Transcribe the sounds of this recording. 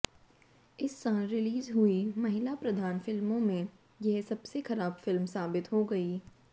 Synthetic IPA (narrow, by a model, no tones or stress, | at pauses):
ɪsːãːnɾɪliːzɦuimɐɦɪlapɾɐd̪ʱaːnfɪlmõmẽ | jɛɦsɐbsexɐɾaːbfɪlmsaːbɪt̪ɦoɡɐiː